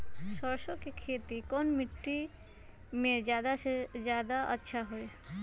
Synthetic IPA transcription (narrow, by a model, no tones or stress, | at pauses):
sɔɾʃokekʰeːt̪ikɔnmɪʈːi | mẽd͡ʒjaːd̪ased͡ʒjaːd̪aʔə̰tːʃʰaɦoe